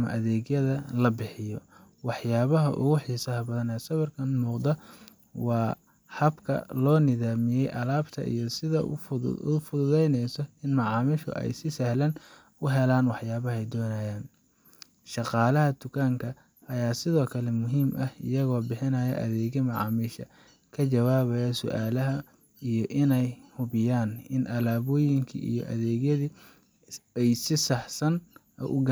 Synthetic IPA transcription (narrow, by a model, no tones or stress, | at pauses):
mɐ̰ʔɐðɛːɣjɐðɐlɐbɪħɪjɔ | wɑħjaːβɐɦɐ̰ʔʊ̰ɣʊħiːsɐɦɐbɐðɐnɛsɐβɐrkʰɐnmuːqd̪ɐ | wɑː | hɐbkʰɐ̰lɔːnɪðaːmɪjɛjʔɐlaːbt̪ʰɐ̰ʔḭjɔsɪðɐ̰ʊfʊðʊðɛjnɛjsɔɪnmɐʕɑːmɪʃɔ̰ʔɛ̰jsɪsɐhlɐn | ʊɦɛlaːnwɑħjaːβɐɦɛjd̪ɔːnajaːn | ʃɑqɑːlɐɦɐd̪ʊkʰaːŋkʰɐ | ɐjaːsɪðɔːkʰɐlɛmʊɦiːmʔɐhɪ̰jɐɣɔːbɪħɪnɐːjɐ̰ʔɐ̰ðɛːɣɐmɑʕɑ̰ːmiːʃɐ̰ | kʰɐt͡ʃɐwaːβɐjɐsʊ̰ʔaːlɐɦɐ | ijɞʔɪnɛjhʊβɪjaːnɪnʔɐlaːβɔːjɪŋkʰḭʔḭjɔ̰ʔɐ̰ðɛːɣjɐði | ɛjsɪsɐħsɐn | ɔ̰ʔʊɡ